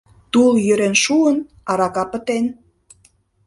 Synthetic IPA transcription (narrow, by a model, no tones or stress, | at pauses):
t̪uljøɾenʃuən | ɑɾɑkɑpə̆t̪en